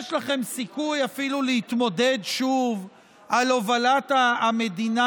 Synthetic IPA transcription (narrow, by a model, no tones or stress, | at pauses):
ʃlaχe̞msikujafilulehit̪mo̞d̪e̞dʃuv | ʔalovalat̪aːme̞d̪ina